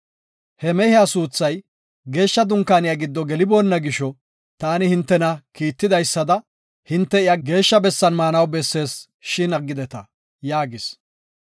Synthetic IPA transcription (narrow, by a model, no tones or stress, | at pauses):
hɛmɛhɪjasuːt͡sːɐj | ɡe̞ːʃːɐd̪ʊŋkːaːnɪjaɡɪd̪ːɔɡɛlɪbo̞ːnːɐɡɪʃɔ | t̪aːnɪhɪnt̪ːɛnɐkiːt̪ːɪd̪ɐjsːɐd̪ɐ | hɪnt̪ːɛɪjaɡe̞ːʃːɐbɛsːɐnmaːnɐwbɛsːe̞ːs | ʃɪnɐɡːɪd̪ɛt̪ɐ | jaːɡɪs